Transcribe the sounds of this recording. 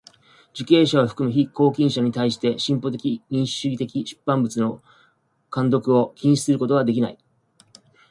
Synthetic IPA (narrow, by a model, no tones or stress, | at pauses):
d͡ʑike̞ːɕaβoɸɯ̟̥kɯ̟mɯ̟çiko̞ːkʲĩɰ̃ɕaɲ̟it̪aiɕi̥t̪e̞ɕĩmpo̞t̪̬e̞kʲiɲ̟ĩɰ̃ɕɨɡʲit̪e̞kʲiɕɨ̥pːãmbɯ̟t͡sɨno̞ | kãnd̪o̞kɯ̟o̞kʲĩɰ̃ɕi̥sɨɾɯko̞t̪o̞ɡad̪e̞k̬ʲina̰i